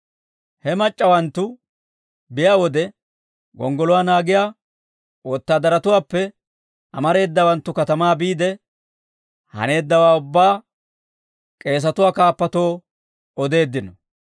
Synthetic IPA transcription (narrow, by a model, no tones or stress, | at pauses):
hɛmɐt͡ʃʼːɐwɐnt̪ːʊ | bɪjaːwɔd̪ɛ | ɡɔ̰ŋɡɔlʊwaːnaːɡɪjaː | wɔːt̪ːaːd̪ɐɾɐt̪ʊwaːpːɛ | ʔɐmɐɾe̞ːd̪ːɐwɐnt̪ːʊkɐt̪ɐmaːbiːd̪ɛ | hɐ̰ne̞ːd̪ːɐwaːʊbːaː | kʼe̞ːs̬ɐt̪ʊwaːkaːpːɐt̪oː | ɔd̪e̞ːd̪ːɪnɔ